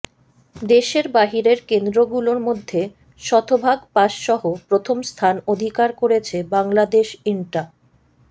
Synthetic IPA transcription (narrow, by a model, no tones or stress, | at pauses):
d̪eʃeɾbaɦiɾeɾkend̪ɾoɡuloɾmod̪ʱːe | ʃɔt̪ʰobʱaɡpaʃʃɔɦopɾot̪ʰomst̪ʰanod̪ʱikaɾkoɾet͡ɕʰebaŋlad̪eʃiɳʈa